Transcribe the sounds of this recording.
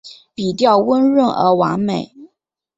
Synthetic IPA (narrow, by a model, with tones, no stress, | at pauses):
pi˨˩t̪jɑ˥˩ʊwə˥nɻə˥˩nʔə̰˞˧˥wa̰˧˥ŋme˨˩˦ɪ